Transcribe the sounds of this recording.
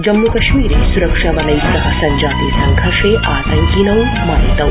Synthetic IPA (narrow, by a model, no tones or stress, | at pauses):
d͡ʒɐmːukɐʃmiːɾeːsuɾɐkʂɐʋɐlɐjsɐɦɐsɐɲd͡ʒaːt̪iːsɐŋɡʱɐɾʂeːʔaːt̪ɐŋkinɐw | mɐːnit̪ɐ